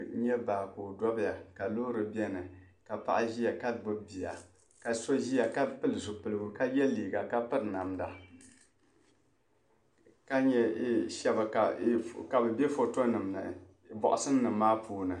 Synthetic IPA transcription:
ɲɛ˦baː˨koː˨dɔ˦bi˦ja˨ka˨loː˦ɾɨ˨bɛ˦nɨ˨ | ka˨pa̰˨ʔa˦ʒi˦ja˨ka˦bo˦bi˨ja̰˨ | ka˨so˦ʒi˦ja˨ka˦pɨ˦lɨ˨zʊ˨pɨ˨lɨ˦ɡʊ˨ka˦jɛ˦liː˨ɡa˨ka˦pɨ˦ɾna˨mda˨ | ka˦ɲɛ˦ʃɛ˦ba˨ka˨˦ka˨bɨ˨bɛ˦fo˨to˦nɨ˨mnɨ̰˨ | bɔ̰˨ʔʊ˦sɨ˦nː˦ɨ˨mːaː˦puː˦nɨ˨

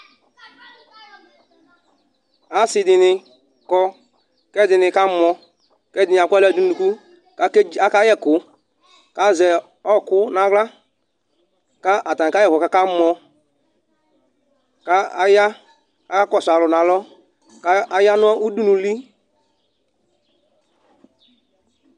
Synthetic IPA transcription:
a˨˦sɪ˧dɪ˨nɪ˧ | kɔ˧ | kɛ˦dɪ˨nɪ˧ka˦mɔ˧ | kɛ˦dɪ˨nɪ˨a˨kɛ˦˨du˦n˦˨u˨ku˦ | ka˦a˦ka˦jɛ˦˨kʊ˨ | ka˦zɛ˨ | ɔ˦˨kʊ˦na˨ɣla˦ | ka˦a˨ta˨n˨ka˦jɛ˦˨vɔ˨ka˨˦ka˦mɔ˧ | ka˦a˦ja˦ | ka˦kɔ˦˨sa˨lɔ˨na˨lɔ˦ | ka˦a˦ja˦nʊ˦ɔ˦ʔu˦du˦nu˨li˦

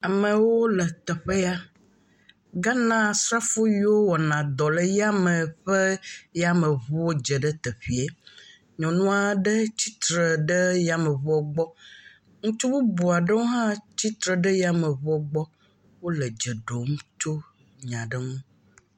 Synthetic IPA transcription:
a˨mə̃˨wo˦lə˨t̪ɛ˨ɸe˦ja˦ | ɡa˦nã˦sɾa˦fo˦ɥi˦wo˦wɔ˨nã˨d̪ɔ˨lə˨ja˦mə̃˨ɸe˦jɛ˦a˦mə̃˨βɔ˦o˦d͡ʒə˨ɖə˦t̪ə˨ɸi˨e˨ | ɲɔ̃˨nũ˦a˨ɖə˦t͡ɕi˦t̪ɾə˨ɖə˦ja˨mə˨βɔ˦ɡ͡bɔ˦ | ŋũ˦t͡ʃu˦wo˦bu˨a˨ɖə˦wo˦ɦã˦t͡ɕi˦t̪ɾə˨ɖə˦ja˦mə̃˨βɔ˦ɡ͡bɔ˦ | wo˦lə˨d͡ʒə˨ɖo˨m˦t͡ʃo˦ | ɲã˨ɖə˦ŋũ˦

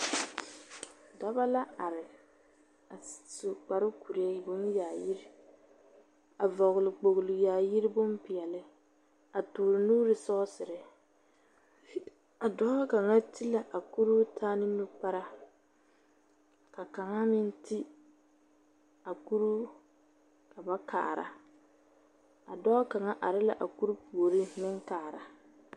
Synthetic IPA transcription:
da˦βa˦la˦a˨ɾɪ˨ | a˨so˨k͡pa˨ɾʊ˦ku˨ɾi˨˦ɛ˦˨bʊ˦n˦jaː˨ji˦ɾɪ˦ | a˨vɔ˨ɣʊ˨lɪ˨k͡po˨ɣlʊ˨jaː˨ji˦ɾɪ˦bʊ˦mpɪ˨ɛ˨lɪ˦ | a˨tʊː˨ɾʊ˨nuː˦ɾɪ˨sɔ˦sɪ˨ɾɪ˨˦ | a˨dɔ˦ka˨ŋa˦ti˦la˨ʔa˨ku˦ɾu˦tʰaː˦nɪ˦nu˦pa˦ɾa˦ | ka˨ka˨ŋa˦mɪ˦n˦ti˦ | a˨ku˦ɾu˦ | ka˨ba˦kʰa̰ː˨ɾa̰˨ | a˨dɔː˦ka˨ŋa˦ʔa˨ɾɪ˦la˨ʔa˨ku˦ɾu˦pu˨o˨ɾi˦nɪ˦ŋkaː˨ɾa˨

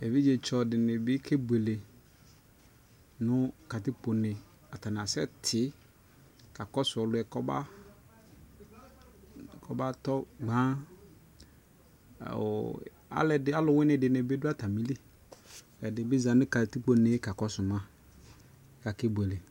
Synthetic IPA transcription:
e˨vi˦d͡ʒe˨t͡ʃɔ˨dɪ˨nɪ˨bɪ˦kʰe˦bu˨e˨le˨ | nʊ˦ka˨ti˦k͡po˨nɪ˨ | a˨ta˨n˨a˨sɛ̰˦tʰɪ˨˦ | ka˨kɔ˦sʊ˨ɔ˨lʊ˨˦ɛ˨kɔ˦ba̰˦ | kʰɔ˨ba˦tɔ˦ɡ͡bã˦˨ | a̰˦lɛ˨dɪ˨a˦lʊ˨wɪ˦nɪ̃˨dɪ˨nɪ˨bɪ˦dʊ˦a˦ta˨mi˦li˦˨ | ɛ˨dɪ˨bɪ˦zã˨nʊ̃˦ka˨ti˦k͡po˨nɪ˨˦ka˨kɔ˦sʊ˨mã˦ | ka˨ke˦bu˨e˨le˨

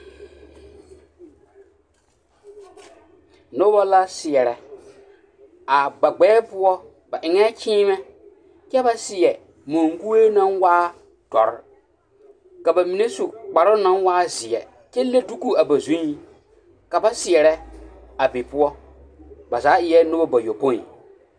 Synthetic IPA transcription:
no˦bɔ˦la˦sɪ˨ɛ˨ɾɛ˨ | a˨ɡ͡ba˨ɡ͡bɛ˨˦pʊ˦ɔ˦ | ba˨ʔɪ˨ŋɛ˦t͡ʃiː˦mɛ˦ | t͡ʃɛ˦ba˦sɪ˨ɛ˨ | mo˨ŋɡu˦e˦nã˦nwaː˦ | d̥ɔ̰˨ɾɪ̰˦ | ka˨ba˨mi˨ne˦su˨k͡pa˨ɾʊ˦nã˦nwaː˦zɪ˨ɛ̰˨ | t͡ʃɛ˦le˦du˦ku˨a˨ba˨zũ˦ɲi˦ | ka˨ba˦sɪ˨ɛ˨ɾɛ˦ | a˨be˨pʊ˦ɔ˦ | ba˨zaː˨˦ʔɪ˨jɛ˦nʊ˦bɔ˦ba˨jo˨po˦˨ḭ˨

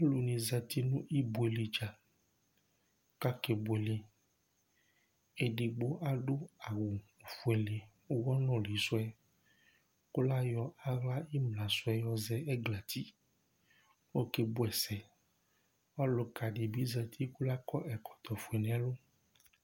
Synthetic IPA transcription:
lu˨nĩ˨zɛ˧t̪i˦nũ˦ʔi˦bu˨e˨le˨d͡ʒa˨˦ | ka˦ke˨bʊ˨e˨le˨ | e˨ɖe˨ɡ͡bo˦ʔa˦ɖʊ˦a˨wu˨fu˨e˨le˨˦ | wɔ˦nɔ̃˦li˨˦sʊ˦ɛ˦ | ku˦la˦jɔ˦a˦ɣla˦i˦mlã˨sʊ˦ɛ˦jɔ˨zɛ˦ɛ˦ɡla˨t̪ʰi˦ | wo˦ke˦bʊ˦ɛ˨sɛ˨ | ɔ˦lʊ˨ka˨ɖe˨bi˦zɛ˧t̪ʰi˦ku˦la˦kɔ˦ʔɛ˨kɔ̥˨t̪ɔ˨fu˨e˨nẽ˨˦a˦lʊ˦

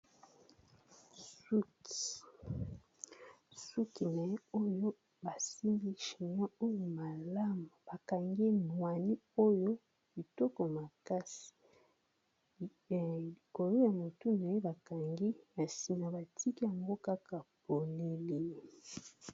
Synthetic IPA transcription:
su˦ki̥˨ | su˦ki˨na˨jɛ˦o˦jo˦ | ba˨si˦mbi˦ʃi˨ɲɔ̃˦o˦jo˨ma˨la˦mu˨ba˨ka˨ŋɡi˦nwa˨ni˦o˦jo˦ | bi˨to˦ko˨ma˨ka˦si̥˨ | li˨ko˨lo˦ja˨mo˨tu˦n˨a˨je˦ba˨ka˨ŋɡi˦na˨si˦na˨ba˨tʰi˦ki˦ja˨ŋɡo˦ka˦ka˨po˨le˦li˦

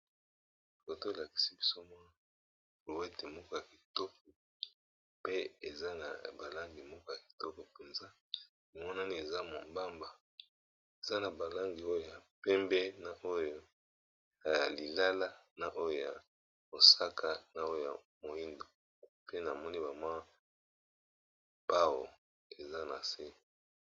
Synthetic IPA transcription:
ko˨to˦e˨la˨ki̥˨si˦bi˦so˦mwa˦ | ko˨we˦te˨mɔ˦kɔ˦ja˨ki̥˨to˦k̚o˨ | pe˦e˨za˦na̰˨ba˨la˦ŋɡi˨mɔ˦kɔ˦ja˨ki̥˨tɔ˦ko˨pe˨nza˦ | o˨mɔ˦na˦ni˦e˨za˦mo˨mba˦mba˨ | e˨za˦na˨ba˨la˦ŋɡi˨o˦o˦ja˨pɛ˦mbɛ˦na˨ʔo˦jo˦ | ja˨li˨la˦la˦na˨ʔo˦jo˦˨ja˨ | mo˨sa˦kʰa˦na˨o˦o˨ja˨ | mo˨ji˦ndo˨ | pe˦na˨mɔ˦ni˦ba˨mwa˦ | pa˦wo̰˨ | e˨za˦na˨se˦

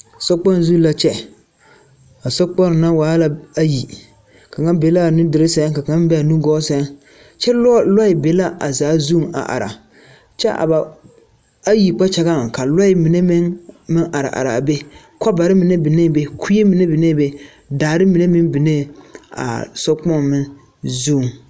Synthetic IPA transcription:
sɔ˦k͡pɔ˦n˦zu˦la˦t͡ʃɛ˦ | a˨sɔ˦k͡pɔ˦ɾna˦waː˨˦la˦a˦ji˨ | ka˨ŋa˦nbe˨la˦˨nʊ˦dɪ˨ɾɪ˦sɛ˨˦ka˨ŋa˦m˦bɛ˦a˨nu˦ɡɔː˦sɛ˨˦ | t͡ʃɛ˦llɔ˦ɪ˨be˨˦la˦ʔa̰˨zaː˨˦zu˦˨ŋa̰˨ʔa̰˨ɾa̰˨ | t͡ʃɛ̰˦ʔa̰˨ba˨ | a˦ji˨k͡pa˦t͡ʃa˦ɡa˦˨ka˨lɔ˦ɪ˨˦mi˨ne˦mɪ˦ŋmɨ˦ŋʔa˨ɾa̰˨ʔa̰˨ɾa˨be˦ | kɔ˦ba˨ɾɪ˦mɨ˨ne˦bɪ˨ne˦˨be˦kʰu˦je˦mi˨ne˦bɪ˨ne˦be˦ | daː˨ɾɪ˦mi˨ne˦mɪ˦nbɪ˨ne˦˨a̰˨sɔ˦k͡pɔ˦n˨mɨ˦n | zu˦˨ŋ

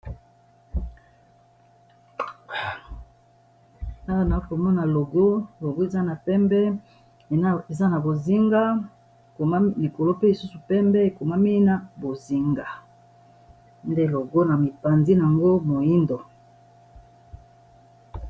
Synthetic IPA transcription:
na˦a˨na˨˦ko˨mɔ˦na˨lo˨ɡo˦lo˨ɡo˦e˨za˦na˨pɛ˦mbɛ˦ | e˨za˦na˨bo˨zi˦ŋɡa˦˨ | ko˨ma˦m˦li˨ko˨lo˦pe˦li˨su˦su˨pɛ˦mbɛ˦e˨ko˨ma˦mi˦na˨bo˨zi˨ŋɡa˨ | nde˦lo˨ɡo˦na˨mi˨pa˨nzi˦n˨a˨ŋɡo˦mo˨ji˦ndo˨

